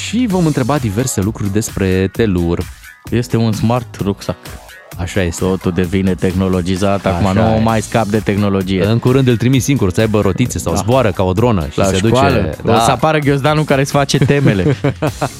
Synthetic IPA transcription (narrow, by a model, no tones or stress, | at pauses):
ʃivo̞mɨnt̪ɾe̞bad̪ive̞rse̞lukɾurʲd̪e̞spɾe̞t̪e̞lur | je̞st̪e̞unsmart̪ruksak | aʃaje̞st̪ot̪ud̪e̞vinet̪e̞xno̞lo̞d͡ʒizat̪akumanumajskap̚d̪e̞t̪e̞xno̞lo̞d͡ʒijeɨŋkuɾɨnd̪ɨlt̪ɾimit̪siŋɡuɾusəajbəɾo̞t̪it̪səsawzboaɾəkao̞d̪ɾo̞nə̰ʃlʔasead̪ukut͡ʃaealəd̪asapaɾəɡʲoz̬d̪anukaɾesfat͡ʃe̞t̪e̞me̞le